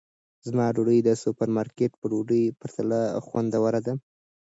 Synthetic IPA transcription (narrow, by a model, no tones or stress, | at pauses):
zmɑɖoɖəjd̪əsupaɾmɑɾkeʈpəɖoɖəjpəɾt̪alaxwand̪awaɾad̪a